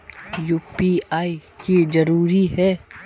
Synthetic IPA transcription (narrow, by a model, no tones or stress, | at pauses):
juːpiaːikizɐɾuːɾiɦɛː